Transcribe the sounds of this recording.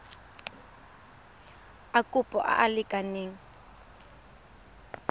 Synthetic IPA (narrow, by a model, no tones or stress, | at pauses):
akʼupʼɔ̰ʔa̰ʔalɪkʼaneːŋ̩